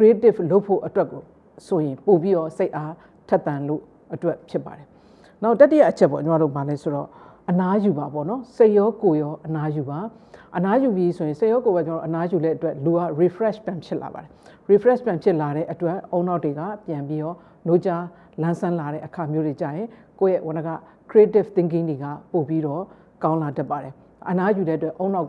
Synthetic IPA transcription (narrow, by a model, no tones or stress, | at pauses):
kɹitɪploʊpʰːo̰ʔətwɛkːo | sojɪ̃popjiɾɔseɪʔa | tʰɛt̪ːãnlo̰ | ʔətwɛʔpʰjɪpːa̰ɾɛ | naʊtːatːija̰ʔət͡ɕʰɛʔpːɔ̰t͡ɕəmaɾo̰balɛsoɾɔ̰ʔənajubapɔ̰nɔseɪʔjɔkojɔʔənajuba | ʔənajubjisʰojɪ̃seʔjɔkobat͡ɕəao̰ʔənajulɛʔətwɛʔluaɹipʰɹɛʃpjãmpʰjɪʔla̰ba̰ɾɛɹipʰɹɛʃpjãmpʰjɪʔlaɾɛ̰ʔətwɛʔõʊ̃naʊtːweɡa̰pjãmpjijɔ | not͡ɕa | lãnsʰãlaɾɛ̰ʔəkʰamjodet͡ɕa̰jɪ̃ | kojɛwãnəɡa̰ | kʰɹietɪft̪ɪ̃ŋk̬ɪ̃ndeɡa̰popiɾɔ | kãʊ̃ladɛpːaɾɛ | ʔənajuɾɛətwɛʔõʊ̃na